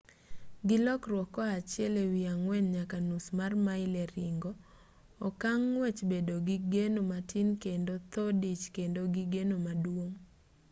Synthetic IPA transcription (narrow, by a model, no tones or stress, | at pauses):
ɡɪlɔkrwɔkɔat͡ʃjɛlewiaŋwɛɲɲakanusmarmaɪlɛɾɪŋɡɔː | kaŋːwɛt͡ʃbedoɡiɡenomatʰinkendot̪ɔdit͡ʃkendoɡiɡenomadwoŋ